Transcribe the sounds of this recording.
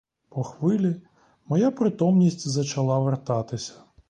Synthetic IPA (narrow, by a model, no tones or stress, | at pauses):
pɔxʋɪlʲi | mɔjapɾɪt̪ɔmnʲisʲtʲzɐt͡ʃɐlˠɑʋert̪ɑt̪ɪsʲɐ̥